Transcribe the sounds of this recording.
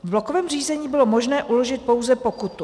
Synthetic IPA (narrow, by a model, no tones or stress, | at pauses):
vblokovɛːmr̝iːzɛɲiːbɪlo̞mo̞ʒnɛːʔulo̞ʒɪt̪̚po̞wzɛpo̞kut̪u